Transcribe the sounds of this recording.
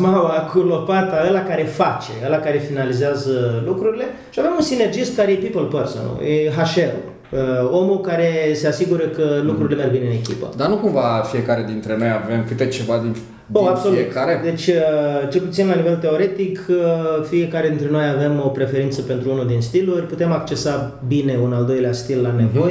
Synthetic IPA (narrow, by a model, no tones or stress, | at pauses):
mawakʰulo̞pat̪aəlakaɾe̞fat͡ʃe̞əlakaɾe̞finalizeazəlukɾuɾile̞ | ʃiavemunsine̞rd͡ʒist̪̚kaɾejepipəlpərsə̰nṵjeɦaʃeɾṵ | əo̞mukaɾe̞se̞asiɡuɾəkəlukɾuɾile̞me̞rɡbineɨne̞kʲipə̰d̪anukumvafie̞kaɾe̞d̪int̪ɾe̞no̞jave̞mkɨt̪et͡ʃevad̪in | oaso̞luet̪kaɾed̪e̞t͡ʃʲt͡ʃe̞lput̪sinlanive̞lt̪e̞o̞ɾe̞t̪ikəfie̞kaɾed̪int̪ɾe̞no̞jave̞mo̞pɾe̞fe̞ɾint̪səpe̞nt̪ɾuunud̪inst̪ilurʲput̪e̞makt͡ʃe̞sabine̞unald̪o̞jleast̪ilːane̞vo̞je